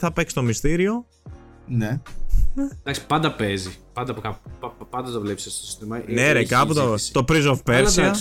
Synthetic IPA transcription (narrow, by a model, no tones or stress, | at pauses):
θɐpekst̪o̞mist̪iɾio̞ | nened̪ɐksi̥pɐnd̪ɐpezipɐnd̪ɐpokɐpuɐpɐnd̪ɐt̪ovlepisesosi̥st̪imɐneɾekɐput̪ot̪o̞pɾizofpeɾsiɐ